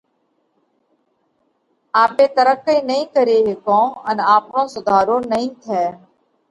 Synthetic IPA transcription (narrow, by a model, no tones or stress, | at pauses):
aːpeːt̪əɾəkːĩːnəɦĩːkəɾeːɦːkõːənaːpnõːsʊd̪ʱaːɾõːnəɦĩːt̪ʰɛː